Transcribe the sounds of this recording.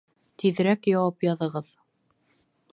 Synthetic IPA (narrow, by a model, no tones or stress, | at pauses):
t̪ʰiðɾækjɑwɑpjɑðɤ̆ʁɤð